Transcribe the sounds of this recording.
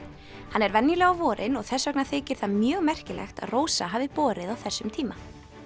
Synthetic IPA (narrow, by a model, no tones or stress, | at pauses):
hanːɛɾvɛnːjɪlɛɣavɔːɾʔɪnɔɣθɛsːœknaθɪːcɪɾ̥θaðmjœːɣmɛr̥cɪlɛ̰xt̪a̰ðroːwsaɦaːvɪpɔːɾɪðawθɛsːʏmt̪ʰiːma